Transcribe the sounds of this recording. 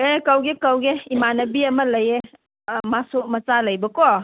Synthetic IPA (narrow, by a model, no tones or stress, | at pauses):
ekɐwɡekawɡeimanɐbiɐmɐlɐje | masumɐt͡ʃalɐjbɐkɔ